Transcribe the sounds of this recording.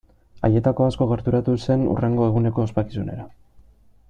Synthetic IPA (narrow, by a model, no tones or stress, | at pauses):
a̰je̞t̪ako̞asko̞ɣe̞ɾt̪uɾat̪use̞nṵre̞ŋɡo̞e̞ɣ̞une̞ko̞ːspaki̥sune̞̰ɾa